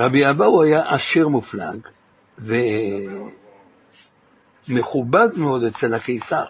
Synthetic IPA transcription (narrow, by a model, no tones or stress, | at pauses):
ʁabiabawajaʔaʃiʁmufla̰ɡ | ve | me̞χubad̪meo̞d̪et͡selakeisa